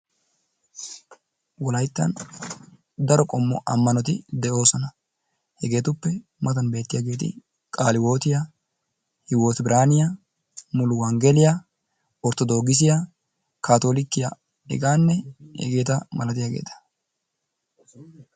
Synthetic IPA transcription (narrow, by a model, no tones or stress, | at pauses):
wɔlɐjt̪ːɐ̰n | d̪ɐɾɔkʼɔmːɔ̰ʔɐmːɐnɔt̪ɪd̪ɛʔo̞ːsɔnɐ | hɛɡe̞ːt̪ʊpːɛmɐt̪ɐnbe̞ːt̪ːɪjaːɡe̞ːt̪ɪ̰ | kʼaːlɪwo̞ːt̪ɪja | hɪwoːt̪bɪɾʔaːnɪjɐ | mʊlʊwɐŋɡɛlɪjɐ | ɔɾt̪ɔd̪o̞ːɡɪs̬ɪja | kaːt̪oːlɪkːɪja | ɛ̰ɡaːnːɛhɛ̰ɡe̞ːt̪ɐmɐlɐt̪̬ɪjaːɡe̞̰ːt̪ɐ̥